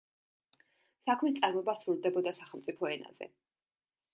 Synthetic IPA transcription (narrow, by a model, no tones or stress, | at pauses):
sakʰmist̪sʼaɾmɔbasɾuld̪ɛbɔd̪asaχɛlˠmt̪sʼipʰɔɛna̰z̥ɛ̰